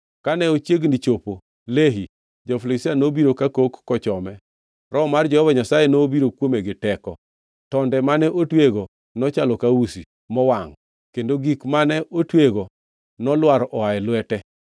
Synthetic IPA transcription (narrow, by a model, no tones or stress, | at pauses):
kanɛot͡ʃjeɡnit͡ʃopo | leɦi | d͡ʒɔflisianobiɾokakokːɔt͡ʃɔmɛ | rɔmard͡ʒɔhɔvaɲasajenobiɾokwomeɡɪtɛkɔ | tɔndɛmanɛʔotweɡo | nɔt͡ʃalɔkausi | mɔwaŋ | kendoɡikmanɛotweɡo | nɔlwaɾʔɔaɛlwɛtɛ